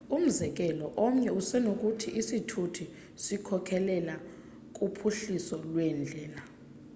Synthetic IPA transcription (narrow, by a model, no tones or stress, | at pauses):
um̩zɛk̬ʼɛlɔʔɔm̩ɲɛusɛnok̬ʼutʰiʔisitʰutʰu | sikʰɔkʰɛlɛla | kʼupʰuɬisɔlwɛnd͡ɮʱɛːla